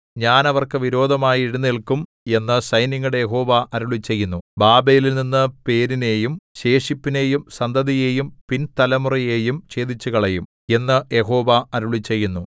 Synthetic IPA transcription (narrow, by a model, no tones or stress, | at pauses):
ɲaːnɐʋɐrkɨʋiɾo̞ːd̪ʱɐmaːjiiɽunːiɭkum | e̞nːɨsɐjniŋːuɽejeɦo̞ːʋɐʔɐɾuɭit͡ɕːe̞jːunːubaːbe̞ːlilninːɨpe̞ːɾine̞ːjumɕe̞ːʂipːine̞ːjumsɐnd̪ʱɐðije̞ːjumpint̪ɐlɐmurije̞ːjumt͡ɕe̞ːd̪it͡ɕːuɣɐɭejum | e̞nːɨje̞ɦo̞ːʋɐɐɾuɭit͡ɕːejːunːu